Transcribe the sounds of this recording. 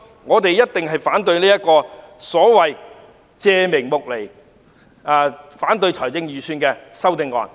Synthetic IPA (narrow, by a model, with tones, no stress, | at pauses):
ŋɔː˨˧t̪e˨jjɐ˥t̚t̪ɪ˨ŋɦɐ˨jfaː˨˥nt̪̬ɵ˧ɥliː˥jɐ˥t̚kɔː˧sɔː˨˥wɐ˨j | t͡sɛː˨˧mɪ˨˩ŋmʊ˨k̚le˨˩j | ɛː˧faː˨˥nt̪ɵ˧ɥt͡ʃʰɔː˨˩jt͡sɪ˧ŋjyː˨˩syː˧nkɛː˧sɐ˥wt̪ɪ˨ŋɔ̰ː˨n